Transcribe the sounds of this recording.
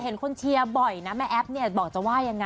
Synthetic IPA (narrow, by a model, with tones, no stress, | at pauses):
he˩˦nkʰo˧nt͡ɕʰi˧ɐbɔ˨˩jna˦˥mɛ˦˥˩ʔɛ˦˥p̚ni˥˩ɐbɔː˨˩k̚t͡ɕa˨˩waː˥˩ja˧ŋːa˧